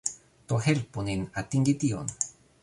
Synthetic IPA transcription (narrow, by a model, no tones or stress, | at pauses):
t̪oɦelponinat̪iŋɡit̪io̰n